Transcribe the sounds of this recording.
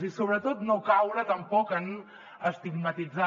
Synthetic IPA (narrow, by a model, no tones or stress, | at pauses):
zisoβɾət̪ot̪nokawɾət̪əmpɔkən | əst̪iɡmət̪id͡za